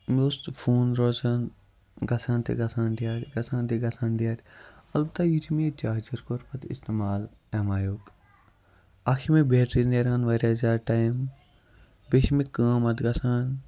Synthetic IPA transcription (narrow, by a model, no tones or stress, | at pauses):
most̪fuːnɾoːzaːn | ɡɐsãːnt̪ḭɡɐsaːnd̪ijaːʈʲɡɐsãːnt̪iɡɐsãːnɖijaːʈʲɐlbɐt̪aːjit̪ʰimed͡ʒaːɦd͡ʒiɾkoɾpɐt̪ḭst̪emaːl | emaːjoːɡ | akʰimebeːʈɾineɾaːnʋɐɾʲazaːɾʈaim | beʃmikãːmɐd̪ɡɐsaːn